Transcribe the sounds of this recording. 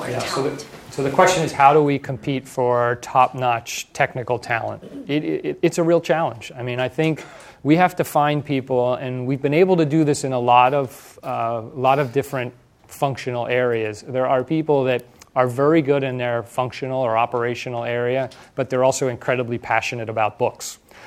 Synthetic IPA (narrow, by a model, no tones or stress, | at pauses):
jæsoʊsoʊðɨkʰw̥ɛst͡ʃɨ̃nɨz̥haʊɾəwikʰm̩pʰitfə˞tʰɑp̚nɑt͡ʃtʰɛk̚nɨkl̩ˠtʰæ̰lˠə̰̃ntɪɾɪɨtsɨɹilˠt͡ʃʰælˠə̃nd͡ʒaɪmĩñaɪθɪ̃ŋk | wihæftɨfãɪ̃npʰipl̩ˠɨ̃nwivbɨ̃neɪbl̩ˠtɨdɨðɪsɨ̃nəlɔɾʌv̥ | lɔɾʌvdɪfɹɨ̃nt | fʌ̃ŋkʃɨnl̩ˠɛɹiɨzðə˞ə˞pʰipl̩ˠðɨɾə˞vɛɹiɡʊɾɨ̃nðə˞fʌ̃ŋkʃɨnl̩ˠə˞ɑpə˞eɪʃɨnl̩ˠɛɹiɨb̥ʌt̪̚ðə˞ɔlˠsoʊɨ̃nkʰɹ̥ɛɾəblipʰæʃɨnɨɾɨbaʊt̚b̥ʊks